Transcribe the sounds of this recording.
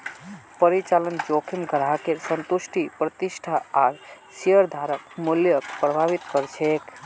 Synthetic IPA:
pəɾit͡ʃalənd͡ʒokʰimɡʱəɾaɦkesənt̪usʈʰipɾət̪isʈʰaaɡ | siəɾd̪ʱaɾəkmuljəkpɾəbʱaʋit̪kəɾt͡ʃʰɛk

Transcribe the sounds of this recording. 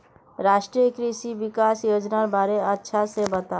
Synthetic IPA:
ɾaːʃʈɾijəkɾisiʋɪkaːsjoːd͡ʒnaɾbaːɾeətːʃʰasebət̪a

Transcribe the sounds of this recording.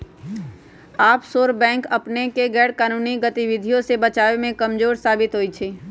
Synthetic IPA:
aːpsoːɾbɛ̃ːŋkɐpnekeɡɛːɽkaːnuːniɡət̪iʋɪd̪ʱijõsebət͡ʃaːʋemẽkɐmd͡ʒoːɾsaːbɪt̪ɦoːit͡ʃʰeː

